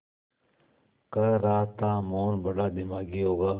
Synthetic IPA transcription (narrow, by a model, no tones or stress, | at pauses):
kɐɾɾaːt̪ːãːmoːnbɐɽad̪ɪmaːɡiɦoːɡaː